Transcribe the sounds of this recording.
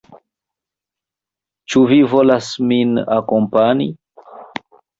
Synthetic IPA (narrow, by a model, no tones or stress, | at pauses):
t͡ʃuvivolasmina̰kompanḭ